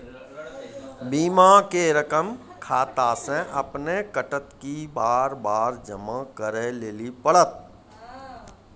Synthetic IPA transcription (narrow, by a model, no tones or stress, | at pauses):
biːmakeɾəkəm | kʰaːt̪asẽʔəpnekəʈət̪kibaːɾbaːɾd͡ʒəmãkəɾeleːlipəɽət̪̚